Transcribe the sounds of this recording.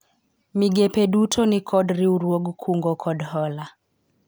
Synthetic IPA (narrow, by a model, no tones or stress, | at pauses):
miɡɛpeɗutʰɔnikʰɔdɾiuɾwoɡukʰuŋɡɔkʰɔdhɔla